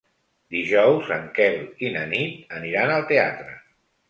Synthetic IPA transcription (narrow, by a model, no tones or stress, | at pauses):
d̪iʒɔwzəŋkɛlˠinənit̪əniɾanəlˠt̪eat̪ɾə